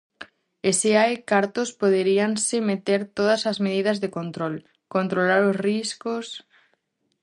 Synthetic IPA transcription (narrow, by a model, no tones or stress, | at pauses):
eseajkaɾt̪ospoð̞eɾiansɪmet̪eɾt̪oð̞ɐsɐzmeð̞ið̞ɐzðekont̪ɾol | kont̪ɾolaɾosriskos